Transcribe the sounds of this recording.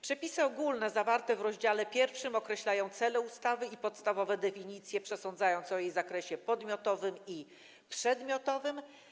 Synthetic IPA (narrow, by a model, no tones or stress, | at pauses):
pʂɛpʲisɘɔɡulnɛzavaɾt̪ɛvɾɔʑd͡ʑalɛpʲjɛɾfʂɘmɔkɾɛɕlajɔ̃w̃t̪sɛlɛust̪avɘipɔt̪st̪avɔvɛd̪ɛfʲiɲit̪sʲjɛpʂɛsɔnd̪zajɔ̃ñt̪sɔjejzakɾɛɕɛpɔd̪mʲjɔt̪ɔvɘmi | pʂɛd̪mʲjɔt̪ɔvɘm